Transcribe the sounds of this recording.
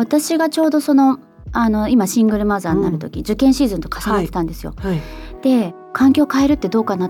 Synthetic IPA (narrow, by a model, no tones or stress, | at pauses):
βat̪aɕiɡat͡ɕo̞ːd̪o̞so̞no̞ | ano̞imaɕĩŋɡɯ̟ɾɯ̟mazaːɲinaɾɯ̟t̪o̞kʲid͡ʑɨkẽ̞ɰ̃ɕiːzɨ̃nt̪o̞kḁsanat̪ːe̞t̪ãnd̪e̞sɨjo̞̰d̪̥e̞ | kʰãŋkʲo̞ːkae̞ɾɯ̟t̪ːe̞d̪o̞ːkana